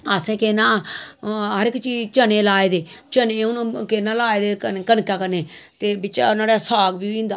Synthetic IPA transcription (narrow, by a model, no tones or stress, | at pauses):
əsẽːkeːnãː | ɦəɾɪkt͡ʃiːt͡ʃənẽːlaːeːd̪eːt͡ʃənẽːʊnkeːnãːlaːeːd̪eːkənkaːkəɾneːt̪eːbɪt͡ʃa̰ːnãːɽaːsaːɡbiːĩːnd̪aː